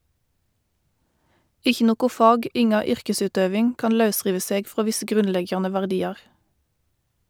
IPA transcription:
ˈɪçə ˈnoːɡʊ ˈfɑːɡ ˈɪŋɑ ˈʏʁkəˌsʉːdøːʋɪŋ ˈkɑːn ˈlɑʉˌsʁiːʋə ˈseːɡ ˈfʁoː ˈʋɪsə ˈɡʁʉnˌlɛɡjɑnə ʋæʁˈdiːɑʁ

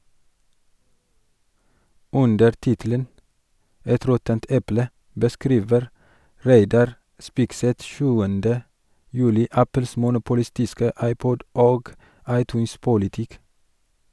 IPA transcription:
ˈʉndəɾ ˈtɪtələn ˈɛt ˈɾɔtənt ˈɛplə bəˈskɾiːʋəɾ ˈɾæɪdɑɾ ˈspɪɡsɛt ˈʃʉːəndə ˈjʉːlɪ ˈæpl̩s mʊnʊpʊˈlɪstɪskə ˈɑɪˌpɔɟ ˈoːɡ ˈɑɪˌtʉːns pʊlɪˈtɪk

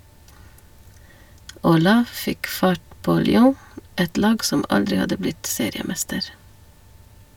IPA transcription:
oːˈlɑː ˈfɪk ˈfɑʈ ˈpoː lʏˈoː ˈɛt ˈlɑːɡ ˈsɔm ˈɑldɾɪ ˈhɑdə ˈblɪt ˈseːɾɪəˌmɛstəɾ

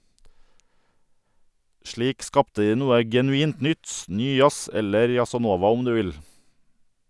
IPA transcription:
ˈʃɭiːk ˈskɑptə ˈdiː ˈnuːə ɡɛnʉˈiːnt ˈnʏt ˈnyː ˈjɑs ˈɛləɾ jɑsɑˈnoːʋɑ ˈɔm ˈdʉː ˈʋɪl

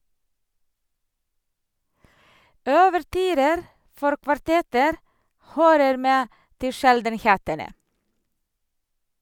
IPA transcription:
œʋəɾˈtyːɾəɾ ˈfɔɾ kʋɑɾˈtɛtəɾ ˈhøːɾəɾ ˈmeː ˈtɪ ˈʃɛldənˌheːtənə

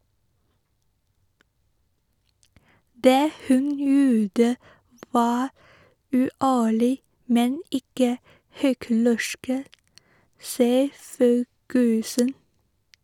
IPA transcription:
ˈdeː ˈhʉn ˈjuːdə ˈʋɑː ʉːˈʔæːɭɪ ˈmɛn ˈɪkə ˈhʏklɛʃk ə ˈsiːə ˈføːɡəsən

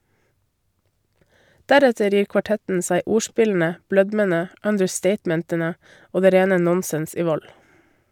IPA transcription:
ˈdæɾɛtəɾ ˈjiːɾ kʋɑˈʈɛtn̩ ˈsæɪ ˈuːˌʃpɪln̩ə ˈblœdmənə œndəɾˈsteɪtmɛntənə ˈoː ˈdeː ˈɾeːnə ˈnɔnsɛns ˈiː ˈʋɔl

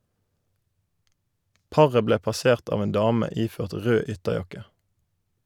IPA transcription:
ˈpɑʁə ˈbleː pɑˈseːʁt ˈɑːʋ ˈeːn ˈdɑːmə ˈiːføːʁt ˈʁøː ˈʏtəˌjɑkə

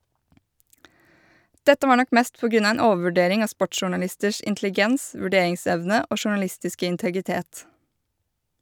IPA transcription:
ˈdɛtə ˈʋɑːɾ ˈnɔk ˈmeːst ˈpoː ˈɡɾʉn ˈɑː ˈeːn ˈoːʋ̩ʋʉˌɖeːɾɪŋ ˈɑː ˈspɔʈʃʃʊʉɳɑˌlɪstəʃ ʔɪntlɪˈɡɛns ʋʉˈɖeːɪŋˌsɛʋnə ˈoː ʃʊɳɑˈlɪstɪskə ɪntəɡɪˈteːt

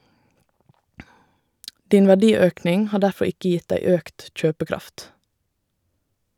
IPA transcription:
ˈdiːn ʋæˈdiːˌøːknɪŋ ˈhɑː ˈdæfɔ ˈɪkə ˈjɪt ˈdæɪ ˈøːkt ˈc͡çøːpəˌkɾɑft

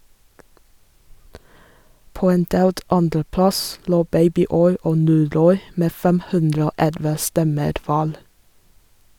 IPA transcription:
ˈpoː ˈeːn ˈdeːlt ˈɑndɾəˌplɑs ˈloː ˈbeɪbɪˌɔʏ ˈoː ˈnuːˌɾɔʏ ˈmeː ˈfɛm ˈhʉndɾə ˈoː ˈɛlʋə ˈstɛməɾ ˈʋæːɾ

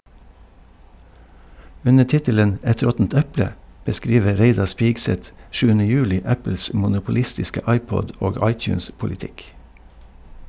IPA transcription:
ˈʉnə ˈʈɪtələn ˈɛt ˈɾɔtn̩t ˈɛplə bəˈskɾiːʋə ˈɾeɪdɑɾ ˈspɪɡsɛt ˈʃʉːənə ˈjʉːˌlɪ ˈæpl̩s mʊnʊpʊˈlɪstɪskə ˈɑɪˌpɔɟ ˈoːɡ ˈɑɪˌtjʉːnspʊlɪˌtɪk

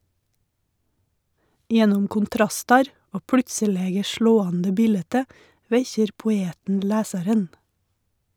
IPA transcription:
ˈjɛnʊm kʊnˈtɾɑstɑɾ ˈoː ˈpɽʉtsəˌleːɡə ˈʃɭoːɑndə ˈbiːlɛtə ˈʋɛçəɾ pʊˈeːtn̩ ˈlæːsɑɾən

